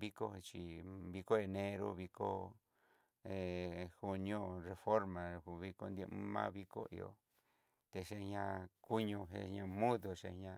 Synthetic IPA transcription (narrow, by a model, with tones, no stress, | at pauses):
βi˦ko˧t͡ʃi˧˨βi˧ko˦e˧nẽ˦ɾo̰˧βi˧ko˦˧ | e˨hu˧ɲ˧õ˦re˧fo˦ɾmã˨˧βi˧ko˧nd̪je˧ʔmũ˦mã̰ː˦βi˦ko̰˦ḭ˧o̰˧ | t̪e˧ʂe˧ɲã˧ku˦ɲõ˧ɦḛ˧ɲã˧mũ˦ðo˧ʂe˧ɲã˧